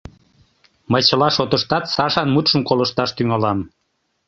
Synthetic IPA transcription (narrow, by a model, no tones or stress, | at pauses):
məjt͡ɕəlɑʃot̪əʃt̪ɑt̪sɑʃɑnmut̪ʃəmkoləʃt̪ɑʃt̪yŋɑlɑm